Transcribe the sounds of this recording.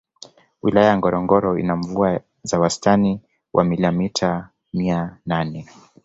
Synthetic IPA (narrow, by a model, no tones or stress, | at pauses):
wilajajaŋɡɔɾɔŋɡɔɾɔḭnaɱvua | zawastani | wʔa̰miliamitʰa | miananɛ